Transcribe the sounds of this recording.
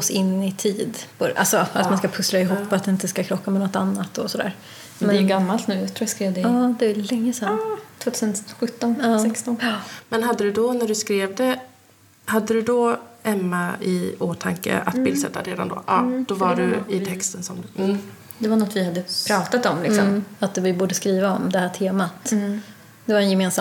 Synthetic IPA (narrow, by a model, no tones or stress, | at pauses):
ɔsɪnːɪt̪ʰiːd̪pʰɔʔa̰lsɔat̪manskapʰɵslaɪɦuːpːɔat̪̚d̪ɛɪnt̪əskakʰɾɔkːamɛnɔt̪ːa̰nːat̪ːɔsɔd̪æ̰ːɾ | mɛɛjɡamːalt̪nʉ̟ːjat̪ɾuːjaskɾeːvd̪ɛɑːd̪ɛælɛŋːəsɛnːt̪ʰvoːt̪ʰʉːsənɧɵt̪ːɔnɑːsɛkst̪ɔnmɛnɦad̪ːəd̪ɵd̪ɔnæɖɵskɾeːvd̪ɛ | had̪ːəd̪ɵd̪ɔɛmːaɪ̰oːt̪ʰaŋkə̰ʔa̰t̪bɪlsɛ̰t̪ːa̰ɾeːd̪a̰nd̪ɔ̰ːʔɑːd̪̥ɔvaɖɵɪt̪ʰɛkst̪ənsɔm | d̪ɛvanɔt̪ːvɪhad̪ːəpʰɾɑːt̪at̪ɔmlɪksɔ̰mat̪vɪbuːɖəskɾiːvaɔmd̪ɛhæːʈʰeːmat̪ | d̪̥ɛvaɾɛnjɛmeːnsa